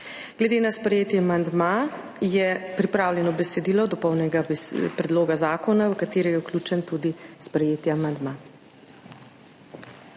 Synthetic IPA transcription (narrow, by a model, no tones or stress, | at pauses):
ɡ̥lɛd̪eːnaspɾɛjeːt̪jɛamand̪ma | jɛpɾipɾaːwlʲɛnɔbɛsɛd̪iːlɔd̪ɔpɔwnɛɡabpɾɛd̪loːɡazaːkɔnawkat̪eːɾɛjɛuklʲut͡ʃɛnt̪ud̪ispɾɛjeːt̪jɛamand̪ma